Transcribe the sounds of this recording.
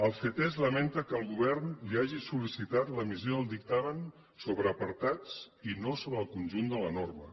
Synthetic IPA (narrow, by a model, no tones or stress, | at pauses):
əlˠfet̪ezləment̪əkəːlˠɣuβ̞ɛɾnliaʒisulisit̪at̪ləmizjoəlˠd̪ik̚t̪amən | soβɾəːpəɾt̪at͡s | inosoβɾəːlˠkunʲʒund̪ələnormə̰